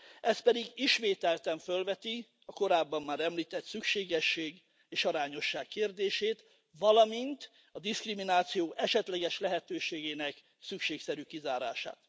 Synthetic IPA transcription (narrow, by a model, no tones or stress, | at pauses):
ɛst̪̚pɛd̪iɡiʃmeːt̪ɛlt̪ɛɱfølvɛt̪i | ɒko̞ɾaːbːɒmːaːɾɛmliːt̪ɛt̪sykʃeːɡɛʃːeːɡ | eːʃɒɾaːɲo̞ʃːaːkːeːrd̪eːʃeːt̪ | vɒlɒmint̪ | ɒd̪iskriminaːt̪sijoːʔɛʃɛt̪lɛɡɛʃlɛɦɛt̪øːʃeːɡeːnɛk | sykʃeːksɛɾykizaːɾa̰ːʃa̰ːt̪